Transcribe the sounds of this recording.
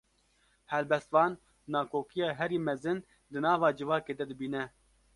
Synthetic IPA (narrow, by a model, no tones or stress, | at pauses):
hɛlbɛst̪vɑːnː | ɑːkʰoːkijɑːɦɛɾiːmɛzɨn | d̪ɨnɑːvɑːd͡ʒɨvɑːkeːd̪ɛd̪ɨbiːnɛ